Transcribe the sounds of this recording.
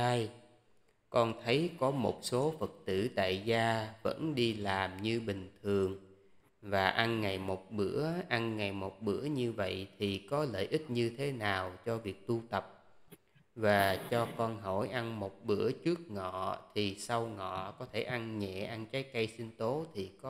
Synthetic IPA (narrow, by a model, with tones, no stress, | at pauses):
aː˧j | kɔ˧nt̪ʰə˨˦jkɔ˨˦mo˨˩t̚so˨˦fə˨˩k̚t̪ɨ̰˧˩t̪a̰ː˧˨jzaː˧və̰˧˥nɗi˧laː˨˩mɲɨ˧ɓï˨˩ŋ̟t̪ʰɨ˨˩əŋ | vaː˨˩ʔa˧nŋa˨˩jmo˨˩t̚ɓɨ˧˥əʔa˧nŋa˨˩jmo˨˩t̚ɓɨ̰˧˥əɲɨ˧və̰˧˨jt̪ʰi˨˩kɔ˨˦lə̰ː˧˨jʔi˦˥t̚ɲɨ˧t̪ʰe˨˦naː˨˩wt͡ɕɔ˧vi˨˩ək̚t̪u˧t̪ə˨˩p̚ | vaː˨˩t͡ɕɔ˧kɔ˧nɦɔ˧˩jʔa˧nmo˨˩t̚ɓɨ˧˥ət͡ɕɨ˦˥ək̚ŋɔ̰˧˨t̪ʰi˨˩sa˧wŋɔ̰˧˨kɔ˨˦t̪ʰe˧˩ʔa˧nɲɛ̰˧˨ʔa˧nt͡ɕaː˨˦jkə˧jsi˧nt̪o˨˦t̪ʰi˨˩k